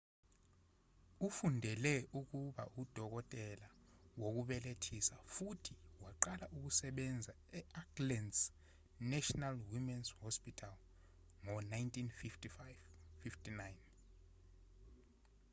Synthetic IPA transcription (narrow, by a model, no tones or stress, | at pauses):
ufundʱɛlɛʔuk̬uɓaʔud̥ʱɔk̬ɔtʼɛlawok̬uɓɛletʰisafutʰiwaǃalaʔuk̬usɛɓɛnd͡zʱa | ɛaɡlɛns | nɛʃɔnalwimɛnshɔspʼitʰal | ŋɔnajntʰʼinfiftʰifajvfiftinajn